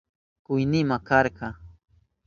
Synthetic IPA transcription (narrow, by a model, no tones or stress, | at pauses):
kʊjnɪmakɑɾɢɑ